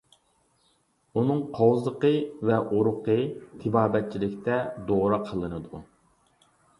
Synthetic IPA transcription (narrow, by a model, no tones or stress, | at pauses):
unɨŋqʰowzˠəqəvɛʔuɾʊqʰət̪ʰɪbɑːbɛt̪̚t͡ʃʰilɪkʲt̪ʰɛd̪oɾɑqʰəlˠɨnɨd̪u